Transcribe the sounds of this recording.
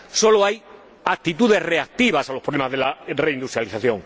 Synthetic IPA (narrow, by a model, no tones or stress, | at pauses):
so̞loaj | ak̚t̪it̪uð̞e̞sre̞ak̚t̪iβ̞asalopɾolemazðelareind̪ust̪ɾjaliθaθjo̞ŋ